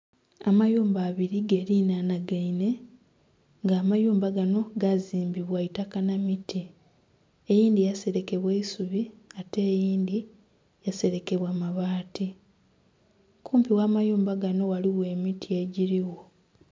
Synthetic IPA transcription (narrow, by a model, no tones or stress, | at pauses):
amajuːmbaːβiɾiɡeɾinanaɡaine̞ | ŋɡaːmajuːmbaɡano̞ɡaziːmbiβwaitakanamitʰi | ejiːndijase̞ɾe̞ke̞βweisuβiate̞ːjiːndi | jase̞ɾe̞ke̞βwamaβaːti | kuːmpiwaːmajuːmbaɡano̞waliwe̞mitʰieɟiɾiwo